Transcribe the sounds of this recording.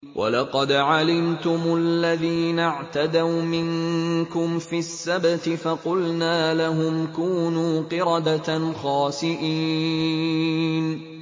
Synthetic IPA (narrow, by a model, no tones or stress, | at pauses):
wʔa̰lɑqɑd̪ʕalɪmt̪ʊmllːaðiːnaʕt̪ad̪awmɪŋkʊmfisːabt̪ɪfaqʊlnaːlaɦʊmkuːnuːqɨɾɑd̪at̪xɑːsɪʔiː | n